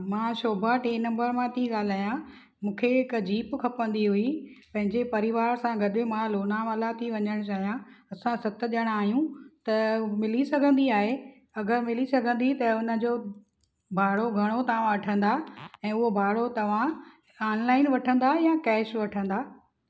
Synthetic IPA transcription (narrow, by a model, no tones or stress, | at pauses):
mãːʃoːbʱaʈeːnɐ̃mbəɾmãt̪ĩɠaːl̤aːjã | mũːkʰeɪkd͡ʑiːpkʰɐpə̃nd̪iɦʊipɐ̃ɦɪ̃ɲd͡ʑepɐɾɪʋaːɾsãɡɐɗemãloːnamɐlat̪ʰiʋɐɲəɽ̃t͡ɕaːɦijãɐsãsɐt̪̆ɗəɽ̃aːɦijũt̪ɐmɪlisɐɡʱə̃nd̪iaːɦe | ɐɡəɾmɪlisɐɡʱə̃nd̪it̪ɐʊnə̆d͡ʑoː | bʱaːɽoɡʱɐɽ̃ot̪ɐʋ̤ãʋɐʈʰə̃nd̪aɛ̃ːʊɦobʱaːɽot̪ɐʋ̤ã | aːnlaːɪnʋɐʈʰə̃nd̪ajãkɛːʃʋɐʈʰə̃nd̪aː